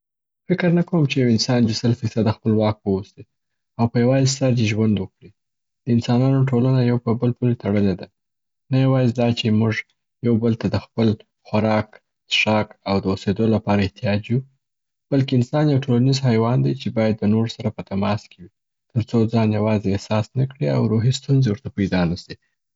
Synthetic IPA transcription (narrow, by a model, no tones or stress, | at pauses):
fɪkəɾnəkawəmt͡ʃejawɪnsɑnd̪esəlfisad̪əxpəlwɑk̚wəwuse | awpəjawɑsaɾd̪eʒwand̪wəkɽi | d̪̥əɪnsɑnɑnoʈolanajawpəbəlpulet̪aɽəled̪a | najawɑjzd̪ɑt͡ʃemuʒ | jawbəlt̪ad̪əxpəl | xwaɾɑk | d̪ʃɑkawd̪əused̪olapɑɾaɪht̪ijɑd͡ʒju | b̥alkeɪnsɑnjawʈʰolanizhajwɑnd̪ajt͡ʃebɑjad̪ːənoɾsaɾapət̪amɑskewi | t̪əɾt͡sod͡zɑnjawɑzeːhsɑsnakɽia̰wɾoɦist̪unzewəɾt̪apajd̪ɑnəsi